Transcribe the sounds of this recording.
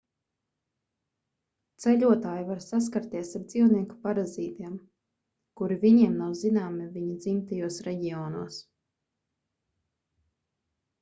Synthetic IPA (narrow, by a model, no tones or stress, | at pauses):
t̪sɛʎʲuɔt̪aːjivaɾsas̬kaɾt̪iɛsaɾd̪z̥iwniɛku̥paɾaziːt̪iɛm | kuɾiviɲiɛmnawzinaːmiviɲad̪zimt̪ajuɔsɾɛɟiɔːnuɔs